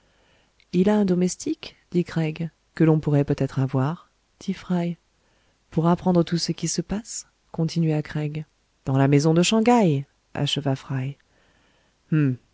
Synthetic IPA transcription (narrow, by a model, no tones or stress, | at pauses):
ilaɛ̃d̪ɔmɛst̪ikd̪̥ikχɛɡ | kəlɔ̃puʁɛpøt̪ɛt̪χavwaʁ | d̪̥ifχaj | puʁapχɑ̃d̪ʁət̪usəkʲisəpas | kɔ̃t̪inɥakχɛɡ | d̪̥ɑ̃lamezɔ̃d̪əʃɑ̃ɡaj | a̰ʃəvafχaj | m̩